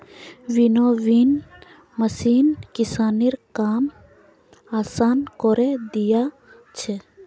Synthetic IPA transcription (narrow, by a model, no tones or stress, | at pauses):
ʋinoʋin | mɐsiːnkisaːniɾkaːm | aːsaːnkoɾed̪ija | t͡ʃʰe